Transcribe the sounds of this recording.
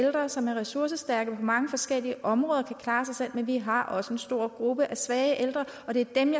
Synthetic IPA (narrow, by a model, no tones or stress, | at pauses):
eld̥ʁɐsɒ̽mæɐʁɛsuɐsəsd̥æɐɡ̥əpʰɒ̽mɑ̈ŋəfɒ̽sɡ̥el̰iəʔɒ̽mʁɔ̽ːðˠɐkʰækʰlɑ̈ːsɑ̈ɪsel̰menʋiɦɑ̈ʔɒ̽səe̝nsd̥o̝ɐ̰ɡ̥ʁub̥əʔæsʋɛːɪəʔeld̥ʁɐ | ɒ̽d̥e̝æɐd̥emjɑ